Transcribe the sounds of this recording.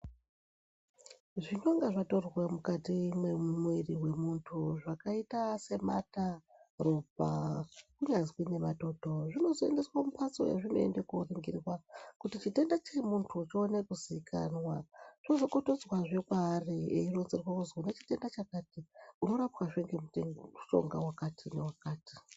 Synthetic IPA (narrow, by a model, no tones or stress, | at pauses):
ʐinoŋɡaʐato̞rwemukatimweumweriwe̞muntʰuʐakaitase̞mataropa̰kuɲazwine̞mato̞to̞ʐino̞zoe̞̰ndeswamupʰat͡so̞̰jḛʐino̞̰e̞̰ndekoriŋɡḭrwakutit͡ʃite̞ndat͡ʃe̞muntʰuːt͡ʃionekuziikʰa̰nwat͡ʃozo̞ko̞to̞d͡zwaʐekwaːriḛiro̞nzirwauzonet͡ʃi̥te̞ndat͡ʃakatiuno̞ɾapwaʐeŋɡeuuʃo̰ŋɡawakatʰine̞wakaːti̥